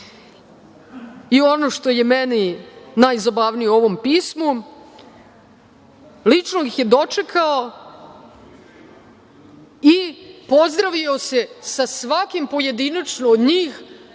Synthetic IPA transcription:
io̞no̞ʃt̪o̞je̞meninajzobaʋnijeo̞ʋo̞mpiːsmu | lit͡ʃnoɡixje̞d̪o̞t͡ʂekʰao | ipo̞zd̪ɾaʋio̞se̞sasʋakimpo̞je̞d̪inat͡ʃnoːd̪ɲiːx

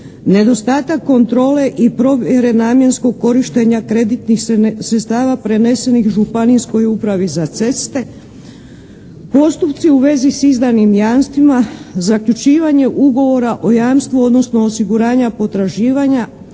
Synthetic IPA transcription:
ne̞d̪o̞st̪aːt̪akːo̞nt̪ɾo̞ːle̞ʔipɾo̞ʋjeɾe̞naːmje̞nsko̞ɡ̚ko̞ɾiʃt̪e̞ɲakɾe̞d̪it̪nixsɾet̪st̪aːʋapɾe̞ne̞se̞nixʒupanisko̞jupɾaʋizat̪se̞st̪e̞ | po̞st̪upt̪siuʋe̞zisizd̪animjaːnst̪ʋimazakʎut͡ʃiːʋaɲe̞ʔuɡo̞ʋo̞ɾaʔo̞jaːmst̪ʋuo̞d̪no̞sno̞ːsiɡuɾaːɲapo̞t̪ɾaʒiːʋaɲa

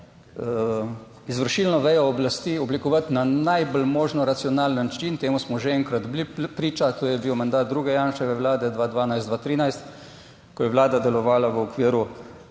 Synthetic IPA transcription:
izʋəɾʃiːlnɔʋɛjɔːblast̪iːɔblikɔʋat̪nanajbəlmoːʒnɔɾat̪sijɔnaːlnnat͡ʃint̪eːmusmɔʒeɛŋkɾad̪blipɾiːt͡ʃat̪oːjɛbiwmand̪aːt̪̚d̪ɾuːɡɛjaːnʃɛʋɛwlaːd̪ɛd̪ʋaːd̪ʋaːnajsd̪ʋat̪ɾiːnajst̪ | kɔjɛʋlaːd̪ad̪ɛlɔʋaːlaʋəɔkʋiːɾu

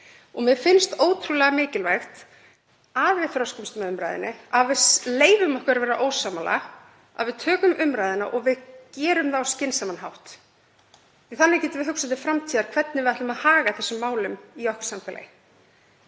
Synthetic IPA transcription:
ɔɣmɪðfɪnst̪oːwt̪ʰɾulɛɣamɪːcɪlvajxt̪ | aðvɪðθɾɔwscɪmst̪mɛðʏmɾa̰jðɪnːɪaðvɪðsleːjvʏmɔhkʏɾvɛːɾaʔoːwsaːmala̰ | a̰ðvɪðt̪ʰœːkʏmʔʏmɾaːjðɪna̰ʔɔɣvɪðcɛːɾʏmðawscɪnsamanɦawht̪ | iθanːɪɾcɛːt̪ɪvɪɦʏksat̪̬ɪfɾamt̪ʰiːðaɾ̥kʰv̥ɛt̪nɪvɪðaht̪ʏmaðhaːɣaθɛsːʏmːaːwlʏmiɔhksamfɛla̰j

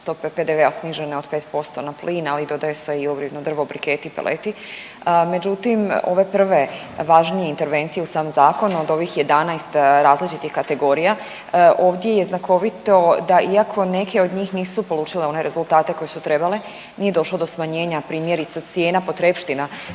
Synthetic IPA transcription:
st̪o̞peped̪eʋeasniʒeneo̞d̪peːt̪po̞st̪o̞napliːnalid̪o̞d̪ajeseiuɡɾibnod̪r̩ʋobɾikeːt̪ipelʔḛt̪i | me̞d͡ʑut̪imo̰ʋe̞pr̩ʋe̞ | ʋaʒnije̞int̪e̞ɾʋe̞nt̪sijeusaːmzaːko̞nod̪o̞ʋixje̞d̪anajst̪ɾaːzlit͡ʃit̪ixkat̪e̞ɡo̞ːɾija | o̞ːʋd̪ʲjejeznako̞ʋit̪o̞d̪aʔiakʰo̞ne̞kʰe̞o̞d̪ɲiːxniːsupo̞lˠuːt͡ʃileo̞ne̞ɾe̞zulˠt̪aːt̪e̞ko̞jesut̪ɾe̞bale̞ | nije̞d̪o̞ʃlod̪o̞smaɲe̞ːɲapɾiːmje̞ɾit̪sat̪sjeːnapo̞t̪ɾepʃt̪ina

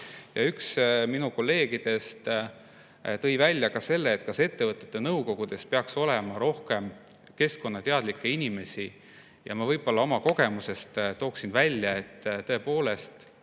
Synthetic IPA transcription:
jɑyksminuko̞lːe̞ːɡ̥id̪̥e̞st̪ | t̪ɤ̞jvælʲːjɑkɑse̞lːeːt̪kɑse̞t̪ːe̞vɤt̪ːˑet̪ːenɤwko̞ɡ̥ud̪̥e̞spe̞ɑkso̞lemɑɾo̞hke̞m | ke̞sko̞nːɑt̪eɑd̪likːe̞inʲime̞si | jɑ̰mɑvɤjb̥o̞lːɑo̞mɑko̞ɡe̞muse̞st̪t̪o̞ːksinvælʲːjɑe̞t̪ːt̪ːɤ̞e̞po̞ːle̞st̪

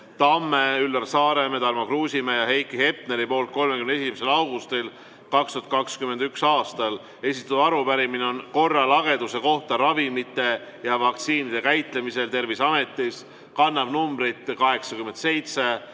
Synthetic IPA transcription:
t̪ɑmːeylːɑrsɑːɾe̞met̪ɑɾmɑkruːsʲimejɑɦe̞jkːˑihe̞p̚neɾipo̞ːlt̪̚ko̞lmekymne̞simese̞lɑwɡ̥ust̪il | kɑkst̪uɑt̪̚kɑkskyme̞nd̪yksɑːst̪ɑl | e̞sʲit̪ːˑuɑɾupæɾimineo̞nko̞rːɑlɑɡ̥e̞d̪use̞ko̞ht̪ɑɾɑvimit̪ːˑe̞jɑvɑkt̪siːnid̪e̞kæjt̪ˑle̞mise̞lt̪e̞rvisɑme̞t̪ːˑis | kɑnːɑbnumbɾit̪kɑɦe̞ksɑkymend̪se̞jt̪se̞

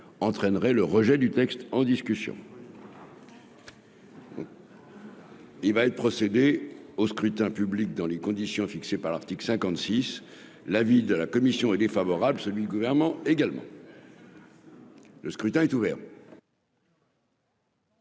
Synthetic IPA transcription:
ɑ̃t̪χɛnʁɛləʁəʒɛd̪yt̪ɛkst̪ɑ̃d̪iskʲysjɔ̰̃ | ilvaɛt̪pχɔsed̪eoskχyt̪ɛ̃pyblik̚d̪ɑ̃lekɔ̃d̪isjɔ̃fiksepaʁlaʁt̪iklsɛ̃kɑ̃t̪sis | lavid̪əlakɔmisjɔ̃ɛd̪efavɔʁablsəlɥid̪yɡuvɛʁnmɑ̃eɡalmɑ̰̃ | ləskχyt̪ɛ̃ɛt̪uvɛʁ

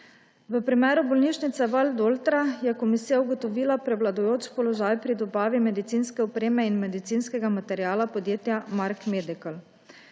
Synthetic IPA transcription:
ʋəpɾimɛːɾubɔlniːʃnit̪sɛʋald̪olt̪ɾajɛkɔmisijauɡɔt̪ɔʋiːlapɾɛwlad̪ɔjoːt͡ʃpɔlɔʒaːjpɾid̪ɔbaːʋimɛd̪it̪siːnskɛɔpɾeːmɛinmɛd̪it̪siːnskɛɡamat̪ɛɾjaːlapɔd̪jeːt̪jamaɾkmed̪ikəl

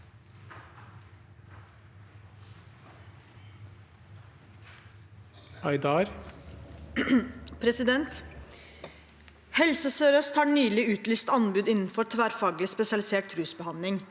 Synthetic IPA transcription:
ɑɪd̪ɑːɾ | pʰɾɛsɪd̪ɛnt̪ | hɛlsəsøːɾœst̪hɑːɳyːlɪʉːt̪lyːst̪ɑnbʉːd̪ɪnn̩fɔt̪ʰʋæːɾfɑːɡlɪspɛsɪɑlɪseːʈ̚t̪ʰɾʉːsbəhɑnlɪŋ

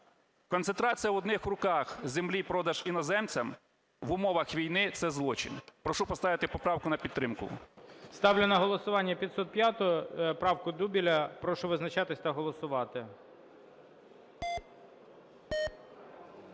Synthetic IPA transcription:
kɔnsent̪ɾɑt͡sʲijɐʋɔd̪nɪxrʊkɑxzemlʲipɾɔd̪ɐʒinɔzɛmt͡sʲɐm | ʋʊmɔʋɐxʋʲijnɪt̪sɛzlˠɔt͡ʃɪ̰npɾɔʃupɔst̪ɑʋɪt̪ɪpɔpɾɑwkʊnɐpʲid̪t̪ːɾɪmkʊ̰st̪ɑwlʲɪnɐɦɔlˠɔsʊʋɑnʲːɐpʲid̪sɔt̪̚pʲjat̪ʊjɔpɾɑwkʊd̪ubʲilʲɐpɾɔʃʊʋɪznɐt͡ʃɑt̪ɪsʲt̪ɐɦɔlˠɔsʊʋɑt̪ɪ

